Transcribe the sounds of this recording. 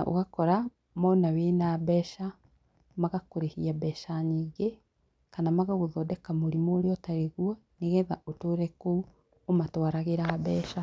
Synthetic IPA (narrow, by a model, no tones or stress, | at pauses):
aʔo̰ɣakɔɾa | mɔnawenaβɛːʃa | maɣakoɾehiaβɛʃaɲiːɡe | kanamaɣaɣoðɔdɛkamoɾimoːɾeɔtaɾeɣwɔ | neɣɛðaotoːɾɛko | omatwaɾaɣeɾaβɛːʃa